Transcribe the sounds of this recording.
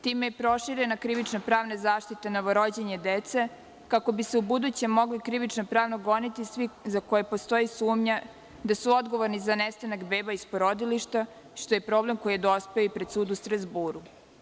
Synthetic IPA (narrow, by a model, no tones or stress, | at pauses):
t̪iːmejepɾo̞ʃiɾenakɾiʋit͡ʃnapɾaːʋnezaːʃt̪it̪eno̞ʋo̞ɾod͡ʑeɲed̪et̪se̞ | kako̞biseubud̪ut͡ɕe̞mːo̞ɡlikɾiʋit͡ʃnopɾaːʋnoɡo̞nit̪isʋizako̞jepo̞st̪o̞isuːmɲa | d̪asuo̞d̪ɡo̞ʋo̞ɾnizanest̪anakbeːbaispoɾo̞d̪iliʃt̪a | ʃt̪oje̞pɾo̞ːble̞mko̞jijed̪o̞speoipɾe̞d̪suːd̪ust̪ɾazbuːɾu